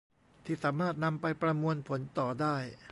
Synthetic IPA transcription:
t̪ʰiː˥˩saː˩˦maː˥˩t̪̚na˧mpa˧jpɾa˧mu˧ənpʰo˩˦nt̪ɔː˨˩daː˥˩j

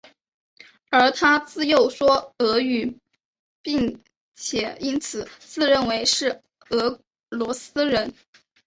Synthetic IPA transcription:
ə˞˧˥t̪ʰa˥t͡sɹ̩˥˧jo˥˩ʊʂwɔ˥ɤ˧˥y˨˩ | pi˥˩ŋ | t͡ɕʰjɛ˨˩˦i˥nt͡sʰɹ̩˨˩˦t͡sɹ̩˥˧ɻə˥˩nwe˧˥ɪʂɻ̩˥˩ | ɤ˧˥ | lwɔ˧˥sɹ̩˥ɻə˧˥n

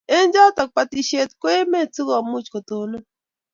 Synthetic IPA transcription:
e˦nd͡ʒa˦tɔ˨k̚pa˨ti˨ʃe˦˨tkwe˦me˦˨tu˦ɣɔ˨mu˦t͡ʃko˨to˨no˦

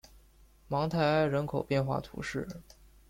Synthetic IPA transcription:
mɑ˧˥ŋt̪ʰa˨˩ɪa˥˩ɪɻə˧˥nkʰo˨˩ʊpjɛ˥˧nxwa̰˥˩t̪ʰṵ˧˥ʂɻ̩˥˩

